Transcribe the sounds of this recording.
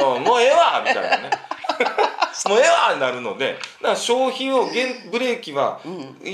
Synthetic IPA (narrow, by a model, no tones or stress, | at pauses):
omoeβaːmʲit̪a̰ḭna̰ne | moːe̞βaːɲinaɾɯ̟no̞̰d̪e̞̰nãkɕo̞ːçĩɰ̃oɡẽ̞nbɯ̟ɾe̞ːkʲiβa̰